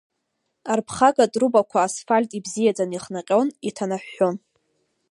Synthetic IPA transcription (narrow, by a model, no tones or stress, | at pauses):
arpʰχaɡadʼrubakʷʰaːsfalʲtʼibzijad͡zaniχnaqʲʼo̞wnitʰanaħʷᶣːon